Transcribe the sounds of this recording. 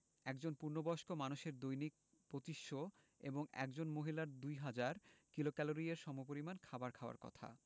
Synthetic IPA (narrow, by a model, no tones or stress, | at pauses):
ɛkd͡ʑonpuɾnobɔʃkomanuʃeɾd̪ojnik̚ | pɾot̪iʃːo | ḛboŋɛ̰k̚d͡ʑonmoɦilaɾd̪ujɦad͡ʑaɾkilokɛloɾieɾʃɔmop̬oɾimankʰabaɾkʰaoa̰ɾkɔ̰t̪ʰa̰